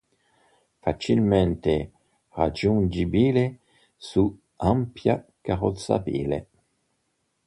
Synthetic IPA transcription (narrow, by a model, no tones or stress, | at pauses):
fat͡ʃilmɛnt̪e | ʁad͡ʒund͡ʒibile | su | ampjakaʁot̪sa̰bḭlḛ